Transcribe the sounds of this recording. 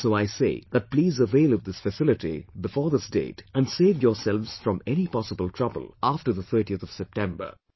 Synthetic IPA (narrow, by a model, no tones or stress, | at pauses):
soːaɪsḛɪðæt̚pliːzəveɪlˠɨvd̪ɪsfɨsɪlɨʈḭbɨfɔːɾðɪsdḛːtæ̃nseːvjɔːsɛlʋz̥fɾɔ̃mɛñipɑsəbəlˠtʰɹ̥ʌbə̰l̩ˠafʈə˞ðət̪ʰɜ˞ʈiət̪ɔv̥sɛp̚tɛ̃mbə̰˞